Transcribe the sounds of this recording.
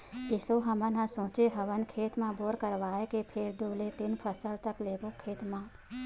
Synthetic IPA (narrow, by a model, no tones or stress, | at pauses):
ɪsoɦəmənãsõːt͡ʃeɦɐʋənkʰeːt̪mãboːɾkəɾʋaːekepʰeɾd̪uːlet̪ɪnpʰəsəlt̪əkleːɡokʰeːt̪mãː